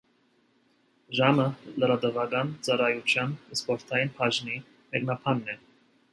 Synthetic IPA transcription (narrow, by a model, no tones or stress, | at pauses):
ʒɑmələɾɑd̪əvɑɡɑnt͡sɑɾɑjut͡ʃʰjɑnspɔɾt̪ʰɑjinpʰɑʒni | mɛknɑpʰɑnːɛ